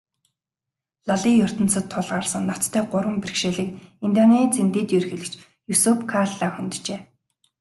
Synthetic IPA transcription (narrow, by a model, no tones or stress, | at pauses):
ɮaɮiːjʊr̥t̪ə̆nsə̆t̪ʰːʊɮʁaːrsə̆ŋnat̪t̪ʰːæːɢʊɾwə̆mperxʃeːɮɘ̆kint̪ʲjɔniːt͡sʰent̪eːt̪jɵrxɘ̆ɮɘ̆kt͡ɕ | jusupkʰaɮaːxɵnt̪̆ʰt͡ɕeː